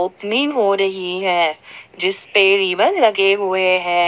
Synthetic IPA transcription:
oːpnɪ̃ŋɦoːɾɐɦiɦɛ̃ːd͡ʒɪspeɾiːʋənlɐɡeɦʊeɦɛ̃ː

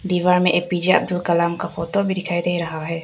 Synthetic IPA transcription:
d̪iːʋaːɾmẽʔeːpiːd͡ʒaɐ̰b̚d̪ʊlkɐlaːmkafɔːt̪obʱid̪ɪkʰaːid̪eiɾɐɦaɦɛː

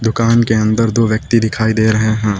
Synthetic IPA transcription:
d̪ʊkaːnkeɐ̃nd̪əɾd̪oːʋjək̚t̪id̪ɪkʰaːid̪eːɾɐɦeɦɛ̃ː

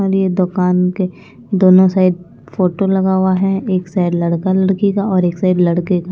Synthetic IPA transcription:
aːɾied̪ʊkaːnke | d̪oːnõsaːɪd̪̚ | foːʈolɐɡaːwaɦɛeːksaːɪd̪lɐɽkalɐɽkekaɔːɾeːksaːɪd̪lɐɽkeka

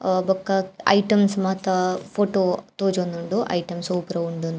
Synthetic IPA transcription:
bɐkːaɐ̰jʈɐmsmaːt̪ɐfʰoːʈoːt̪oːd͡ʒonːuɳɖuʔɐ̰jʈɐmsoːpɾɐuɳɖund̪

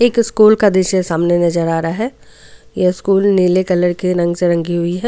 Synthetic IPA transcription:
eːkɪskuːlkad̪ɪʃesaːmnenɐzəɾaːɾaɦɛːjeɪskuːlneːlekɐləɾkiɾɐ̃ŋɡseɾɐ̃ŋɡiɦʊiɦɛː

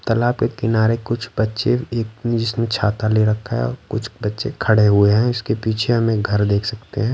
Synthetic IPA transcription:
t̪ɐlaːbkekɪnaːɾekʊt͡ʃʰbɐtːʃeeːkd͡ʒɪsnẽt͡ʃʰaːt̪aleɾɐkʰːaɦɛ̰ɔ̰ɾkʊt͡ʃʰbɐtːʃekʰɐɽeɦueɦɛ̃ʊskepiːt͡ʃʰeɦɐmẽɡʱɐɾd̪eːkʰsɐkt̪eɦɛ̃ː

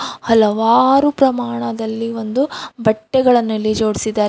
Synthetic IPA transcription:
hɐlɐʋaːɾupɾɐmaːɳɐd̪ɐlːiʋo̞nd̪ubɐʈːɛɡɐɭɐnːulːid͡ʒo̞ːɽisid̪ːaːɾ

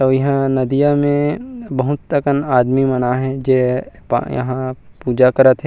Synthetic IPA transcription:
t̪oːjɐɦãnɐd̪ijamẽbɐɦʊt̪ːəkənaːd̪mimɐnaɦɛ̃d͡ʒeːpjɐ̰ɦãpuːd͡ʒakɐəɾət̪ɦɛ

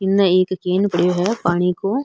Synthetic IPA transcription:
kɪnːãeːkkeːnpɐɽjoɦɛpaːɽ̃ikoː

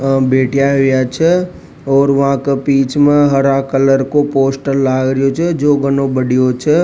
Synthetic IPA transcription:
beːʈʰijaɦʊjat͡ʃʰɛ | ɔːɾʋɐɦãkepiːt͡ʃmẽɦəɾãkələɾkopoːsʈəlːaːɡɾəjot͡ʃʰɛd͡ʒoːɡənõbəɽijot͡ʃʰɛ

